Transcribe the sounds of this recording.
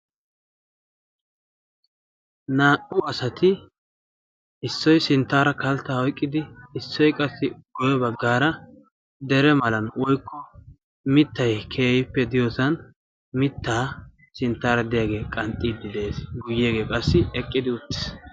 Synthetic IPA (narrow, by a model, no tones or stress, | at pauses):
naːʔʼʊɐsɐt̪ɪ | ɪsːɔjsɪnt̪ːaːɾɐkɐlt̪ːaːɔjkʼːɪd̪ɪːsːɔjkʼɐsːɪɡɔjɛbɐɡːaːɾɐ | d̪ɛɾɛmɐlɐnwɔjkʰːɔ | mɪt̪ːɐjkʰeːjɪpːɛd̪ɪjɔsɐn | mɪt̪ːaː | sɪnt̪ːaːɾɐd̪ɪjaːɡe̞ːkʼɐnt̪ʼːid̪ːɪd̪e̞ːsɡʊjːeːɡeːkʼɐsːɪɛkʼːɪd̪ɪʊt̪ːɪ̥s